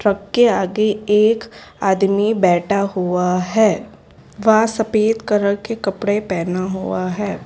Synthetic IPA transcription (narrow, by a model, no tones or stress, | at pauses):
ʈɾɐkːeaːɡeeːkaːd̪mibɛːʈʰaɦuaɦɛː | ʋɐsɐpeːt̪kɐɾəɽkekɐpɽepɛːnaɦuaɦɛː